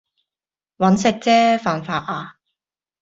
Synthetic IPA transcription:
wɐ˨˥nsɪ˧k̚t͡sɛː˥faː˨nfaː˧t̚ʔaː˧

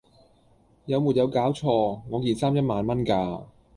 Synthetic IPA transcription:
jɐ˨˧wmu˨t̚jɐ˨˧wkaː˨˥wt͡ʃʰɔː˧ŋɔː˨˧jiː˨˩nsaː˥mjɐ˥t̚maː˨nmɐ˥nkaː˧

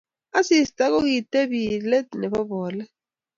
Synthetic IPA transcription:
a˦sistʼa˦k̬o˦k̬itʼe˦βilɛ˦nɛ˨βɔ˦βɔː˨lɛ˦

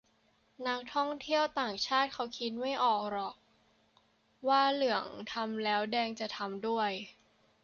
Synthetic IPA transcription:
na˦˥k̚t̪ʰɔ˥˩ŋt̪ʰi˥˩əwt̪aː˨˩ŋt͡ɕʰaː˥˩t̪̚kʰa˦˥wkʰi˦˥t̪̚ma˥˩jʔɔː˨˩k̚ɾɔː˨˩k̚ | waː˥˩lɯ˨˩˦əŋt̪ʰa˧mlɛː˦˥wdɛː˧ŋt͡ɕa˨˩t̪ʰa˧mdu˥˩əj

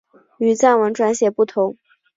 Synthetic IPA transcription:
y˨˩t͡sa˥˩nwə˧˥nʈ͡ʂwa˧˥nɕjɛ˨˩pu˥˩t̪ʰʊ˧˥ŋ

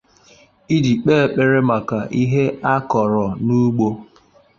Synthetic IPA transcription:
i˦di˨k͡pe˦e˨k͡pe˨ɾe˦ma˨ka˨ʔi˦ɦe˦a˦kɔ˨ɾɔ˨nu˦ɡ͡bo˦

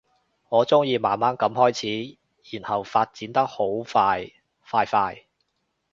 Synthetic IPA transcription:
ŋɔː˨˧t͡sʊ˥ŋjiː˧maː˨˩nmaː˥nkɐ˨˥mhɔː˥jt͡sʰiː˨˥ | jiː˨˩nhɐ˨wfaː˧t̚t͡siː˨˥nt̪ɐ˥k̚ho˨˥wfaː˧j | faː˧jfaː˧j

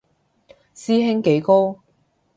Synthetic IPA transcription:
siː˥ɦɪ˥ŋke˨˥jko˥w

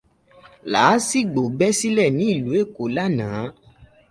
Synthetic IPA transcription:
laː˨˦si˦˨ɡ͡bo˨bɛ˦si˦lɛ˦˨nĩ˨˦i˦˨lu˨˦e˦˨ko˨˦la˦nãː˨˦

